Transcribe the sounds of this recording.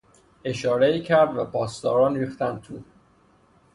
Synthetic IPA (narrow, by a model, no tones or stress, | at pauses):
e̞ʃɒːɾeiːcʰæɾd̪væpʰɒːst̪ɒːɾɒːnɾiːxt̪ænd̪̚t̪ʰuː